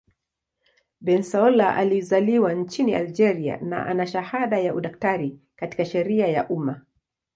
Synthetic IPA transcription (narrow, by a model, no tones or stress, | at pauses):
ɓɛnsaɔlaʔa̰lizaliwant͡ʃiniʔald͡ʒɛɾia̰na̰ʔanaʃahaɗajaʔuɗaktaɾi | kati̥kaʃɛɾiaja̰ʔuma